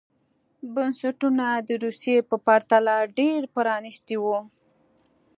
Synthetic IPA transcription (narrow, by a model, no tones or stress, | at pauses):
bansaʈunad̪əɾusijepəpaɾt̪alaɖeɾpəɾɑnist̪iwu